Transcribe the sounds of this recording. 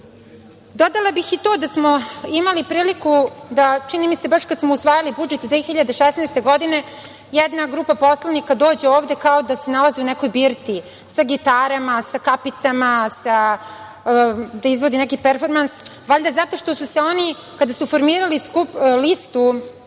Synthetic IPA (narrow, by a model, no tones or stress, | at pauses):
d̪o̞d̪alˠabixit̪oːd̪asmoimalipɾiːlikud̪at͡ʃinimise̞baʃkad̪smousʋaːjalibud͡ʒet̪d̪ʋexiʎad̪eʃesnajst̪e̞ɡo̞d̪ine̞ | jɛd̪naɡɾuːpapo̞slˠanikad̪o̞ːd͡ʑe̞oːvd̪e̞kaod̪ase̞nalazeuneko̞jbiːɾt̪i | saɡit̪aɾamasakapit̪samasa | d̪aizʋod̪inekipeɾfo̞ɾmansʋaʎd̪azat̪o̞ʂt̪osuse̞o̞ni | kad̪asufo̞ɾmiːɾaliskuplist̪u